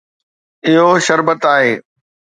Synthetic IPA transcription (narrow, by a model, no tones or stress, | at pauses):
ɪɦoʃɐɾbət̪aːɦeː